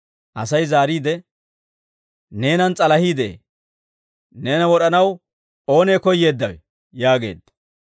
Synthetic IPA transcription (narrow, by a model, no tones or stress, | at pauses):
ʔɐsɐjzaːɾiːd̪ɛ | ne̞ːnɐnt͡sʼɐlɐhiːd̪ḛː | ne̞ːnɐwɔɗɐnɐw | o̞ːne̞ːkɔjːe̞ːd̪ːɐwɛ | jaːɡe̞̰ːd̪ːɐ̥